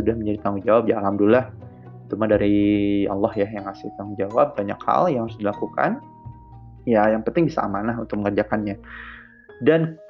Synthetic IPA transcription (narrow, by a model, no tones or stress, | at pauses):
udahməɲd͡ʒadit̪aŋuŋd͡ʒawap̚d͡ʒaːlamdulːah | t̪umadaɾiɑlːɑhjajaŋasɪht̪aud͡ʒawap̚baɲa̰kha̰ljaŋaɾʊsdilakuka̰n | jajaŋpənt̪ɪŋbisa̰ʔa̰manaɦunt̪ʊk̚məŋərd͡ʒakanɲa | dan